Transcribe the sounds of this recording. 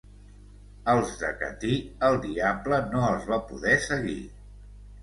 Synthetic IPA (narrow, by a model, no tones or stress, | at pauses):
əlˠzðə̰kə̰t̪iəlˠd̪iablənoəlˠzβapṵðɛsəɣḭ